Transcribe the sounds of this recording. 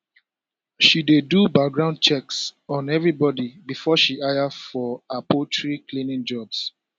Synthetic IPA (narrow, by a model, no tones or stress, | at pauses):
ʃidedubak̚ɡɹãʊ̃n̚t͡ʃɛksɔ̃nɛvɹibɔdibifɔʃiʔajafɔapotʰɹikʰlinĩnd͡ʒɔbs